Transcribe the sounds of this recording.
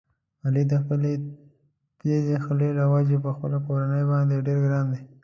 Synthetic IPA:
alid̪əxpəle | t̪ezexəlelawad͡ʒepəxpəlakoɾanəjbɑnd̪eɖeɾɡɾɑnd̪e

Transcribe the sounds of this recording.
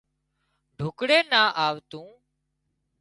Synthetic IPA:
ɖʱʊkɽeːnaːʔaːʋt̪ũː

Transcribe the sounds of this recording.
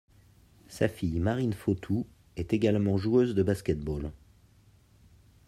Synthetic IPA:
sa̰fijmaʁinfot̪ʰu | ɛt̪eɡalmɑ̃ʒuøzd̪əbaskʲɛt̪̚bol

